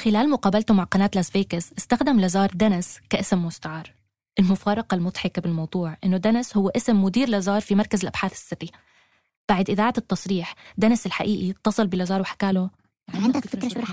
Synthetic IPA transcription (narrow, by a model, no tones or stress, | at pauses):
xɪlaːlmʊqɑːbalt̪ʊmaʕqɑnaːt̪lazbeːkɪzʔɪst̪axd̪amlazɑːɾˤd̪anɪskaʔɪsmːʊst̪aʕɑːɾˤ | ʔɪlmʊfɑːɾˤɑqalmʊt̪ˤħɪkabɪlmɑwd̪ˤuːʕʔɪnːʊd̪anɪshʊwːaʔɪsmːʊd̪iːɾlazɑːɾˤfimɑɾˤkazɪlʔab̥ħaːθɪ̥sːɪrːi | b̥aʕd̪ʔɪðaːʕat̪ːɑsˤɾiːħd̪anɪsɪlħa̰ʔiːʔit̪ˤːɑsˤɨlbɪlazɑːɾˤwħḁkaːlʊ | aʕʕɪnd̪akfɪkɾˤɑ